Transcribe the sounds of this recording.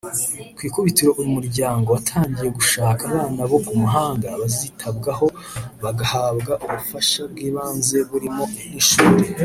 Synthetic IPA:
kwiːkuβitiɾo̞ʔuɾimuɾɟaːŋɡo̞watʰaːɲɟije̞ɡuʃaːkaβaːnaβo̞kumuɦaːŋɡaβazitʰabɡaɦo̞ | βaɡahaːβɡaʔuβufaʃabɡiːβaːnze̞βuɾimo̞iniʃuːɾe

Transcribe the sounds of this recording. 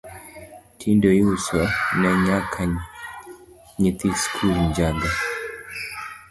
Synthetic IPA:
tʰindɔjusɔnɛɲakʰa | ɲit̪iskʰulɲd͡ʒanda

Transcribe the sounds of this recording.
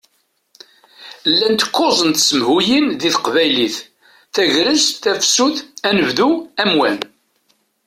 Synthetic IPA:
lːænt̪ə̥kːozˤənt̪səmhujinðiθqvæjliθ | θæʝɾəzt̪θæfsuθænəvðuæmwæn

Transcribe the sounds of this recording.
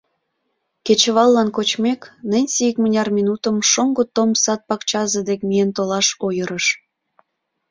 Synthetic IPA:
ket͡ɕəβɑlːɑnkot͡ɕmeknənʲsijəkmənʲɑrminut̪ə̆mʃoŋɡot̪omsɑt̪̚pɑkt͡ɕɑzəd̪ekmient̪olɑʃojəɾəʃ

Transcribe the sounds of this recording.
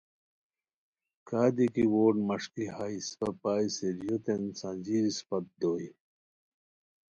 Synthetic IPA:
kaːd̪ikiwoːʈmɐʂkihaispɐpaːiseɾjot̪ensãd͡ʑiɾispɐt̪̚d̪oːi

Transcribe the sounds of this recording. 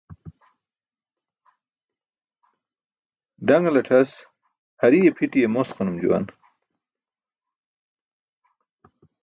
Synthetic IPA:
ɖɐŋɡlɐʈʰɐs | hɐɾijepʰiʈijemosqanumd͡ʑṵwa̰n

